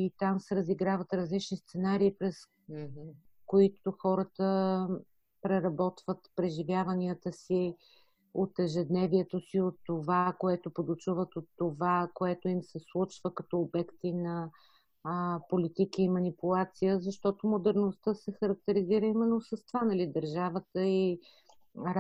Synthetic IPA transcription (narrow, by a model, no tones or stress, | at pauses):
it̪amsɛɾəziɡɾavət̪ɾəzlit͡ʃnist̪sɛnaɾiːpɾɛs | koit̪oxɔɾət̪ə | pɾɛɾɐbɔt̪vət̪pɾɛʒivʲjavɐniət̪əsi | ot̪ɛʒɛd̪nɛviɛt̪osiot̪ːovakoɛt̪opod̪ot͡ʃuvət̪ot̪ːovakoɛt̪oimsɛslˠut͡ʃvəkɐt̪ɔːbɛkt̪inɐ | polit̪ikəimɐnipʊlˠat̪sijəzɐʃt̪ɔt̪omod̪ɛɾnost̪əsɛxɐɾɐk̚t̪ɛɾiziɾəimɛnːosəst̪vanɐlid̪ɐɾʒavət̪əi